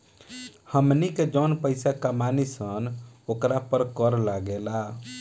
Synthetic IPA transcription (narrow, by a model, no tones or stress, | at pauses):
həmniked͡ʒənpəɪsakamanisənokɾapəɾkəɾlaɡela